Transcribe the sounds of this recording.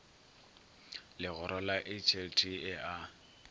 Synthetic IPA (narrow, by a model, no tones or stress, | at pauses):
lɪɣʊɾʔɔlaʔet͡ʃʰeltʰiɪʔa